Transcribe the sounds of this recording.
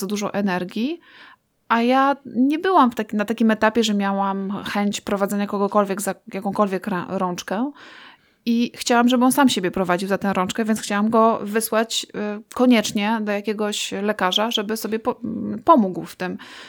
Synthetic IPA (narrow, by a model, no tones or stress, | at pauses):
ad̪uʐɔʔɛnɛɾɡʲi | ʔajaɲɛbɘwamft̪akʲnat̪akʲimɛt̪apʲjɛʐɛmʲjawamxɛɲt͡ɕpɾɔvad̪zɛɲakɔɡɔkɔlvʲjɛɡzajakɔ̃w̃kɔlvʲjɛkɾɛ̰ɾɔ̃nt͡ʂkɛ | ixt͡ɕawamʐɛbɘɔnsamɕebʲjɛpɾɔvad͡ʑiwzat̪ɛ̃w̃ɾɔ̃nt͡ʂkɛvʲjɛntsxt͡ɕawamɡɔvɘswat͡ɕkɔɲɛt͡ʂɲɛd̪ɔjakʲɛɡɔɕlɛkaʐaʐɛbɘsɔbʲjɛppɔmuɡwft̪ɘm